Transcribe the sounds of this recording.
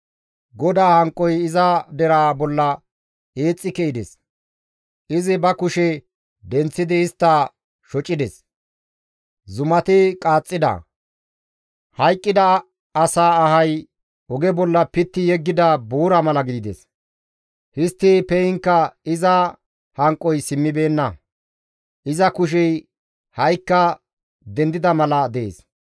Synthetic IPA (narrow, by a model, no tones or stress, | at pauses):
ɡɔd̪aːhɐŋkʼːɔjɪzɐd̪ɛɾaːbɔlːɐ | eːt͡sʼːɪkɛɪd̪ɛs | ɪzɪbɐkʊʃɛ | d̪ɛnt͡sːɪd̪ɪɪst̪ːɐ | ʃɔt͡ʃʼːɪd̪ɛs | zʊmɐt̪ɪkʼaːt͡sʼːɪd̪ɐ̰ | hɐjkʼːɪd̪ɐː | saːɦɐj | ɔɡɛbɔlːɐpɪt̪ːɪjɛɡːɪd̪ɐbuːɾɐmɐlɐɡɪd̪ɪd̪ɛ̰s | hɪst̪ːɪpɛjɪŋkːɐɪzɐ | hɐŋkʼːɔjsɪmːɪbe̞ːnːɐ | ʔɪzɐkʊʃ̬ɛj | hɐjkːɐ | d̪ɛnd̪ɪd̪ɐmɐlɐd̪ḛːs